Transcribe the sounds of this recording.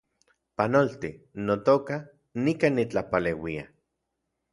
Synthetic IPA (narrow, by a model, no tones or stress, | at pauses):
panolt̪inot̪oka | nikanit͡ɬapalewia̰